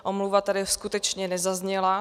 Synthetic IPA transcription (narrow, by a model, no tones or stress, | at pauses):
ʔomluvat̪adɪskut̪ɛt͡ʃɲɛnɛzazɲɛla